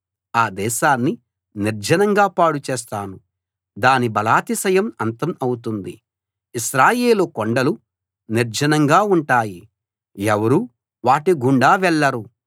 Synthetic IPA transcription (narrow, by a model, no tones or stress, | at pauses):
aːd̪ɛːʃaːnːi | niɾd͡ʒɐnɐŋɡaːpaːɽut͡ʃɛːs̬t̪aːnu | d̪aːnibɐlaːt̪isɐjɐmɐnt̪ɐmɐwut̪und̪ḭ | iʃɾaːjeːlukoɳɖɐlu | niɾd͡ʒɐnɐŋɡaːuɳʈaːji | ɛʋɐɾu | ʋaːʈiɡuɳɖaːʋɛɭːɐɾu